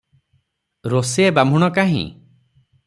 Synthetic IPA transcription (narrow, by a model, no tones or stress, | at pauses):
ɾoseebamʱuɽ̃ɔkaɦḭ̃